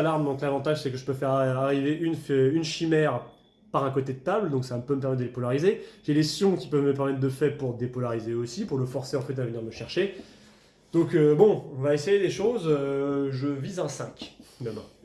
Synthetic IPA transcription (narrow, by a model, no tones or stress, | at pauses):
alaʁmd̪ɔ̃klavɑ̃t̪aʒsɛkəʒəpøfɛʁaʁiveʔynfynʃimɛʁ | paʁɛ̃kot̪ed̪ət̪abld̪ɔ̃ksavaməpøməp̬ɛʁmɛt̪d̪əlepɔlaʁizeʒ̥elesjɔ̃kʲi̥pœvməpɛʁmɛt̪̚d̪əfɛʁpuʁd̪epɔlaʁizeosipuʁləfɔʁseɑ̃fɛt̪avəniʁməʃɛʁʃe | d̪̥ɔ̃købɔ̃ɔ̃vaesejed̪eʃozøʒəvizɛ̃sɛ̃kʲd̪əmɛ̃